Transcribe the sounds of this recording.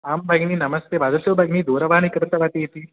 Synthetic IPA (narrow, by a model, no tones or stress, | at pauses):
ambʱaɡniːnɐməst̪ʰjeʋad͡zəsjobʱaɡniːd̪ʱoɾəʋanikɾt̪əʋat̪ijet̪iː